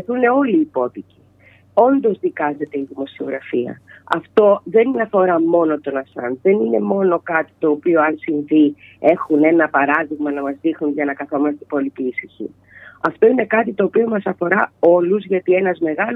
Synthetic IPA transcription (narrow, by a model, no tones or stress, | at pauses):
θune̞o̞liːpo̞tici̥ | o̞nd̪o̞zðikɐze̞t̪e̞iðimo̞sio̞ɣɾɐfiɐ̰ɐ̰ft̪o̞ðe̞ninɐfo̞ɾɐmo̞no̞t̪o̞nɐsɐ̰nðe̞nine̞mo̞no̞kɐt̪i̥t̪o̞ːpioɐnsiɱvie̞xune̞nɐpɐɾɐðiɣmɐnɐmɐzðixnunʝɐnɐkɐθo̞mɐst̪epo̞lipiːsiçḭ | ɐft̪o̞inekɐt̪it̪o̞ːpio̞mɐsɐfo̞ɾɐo̞luzʝɐt̪ie̞nɐzme̞ɣɐl